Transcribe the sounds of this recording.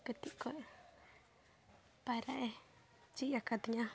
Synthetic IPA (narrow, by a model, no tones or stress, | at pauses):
ket̪iʔkoʔe | paɾaʔe | t͡ʃijakad̪iɲã